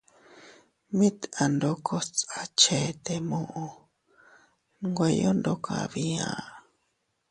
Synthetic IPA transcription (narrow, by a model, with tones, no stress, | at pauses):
mĩ˦t̪a˨nd̪o˧kʰo˦t͡sa˦t͡ʃe˨t̪e˨mõ˧ʔõ˧ | ŋɡʷe˧jo˦nd̪o˧kʰã̰˧˨βi˧ã̰˧˨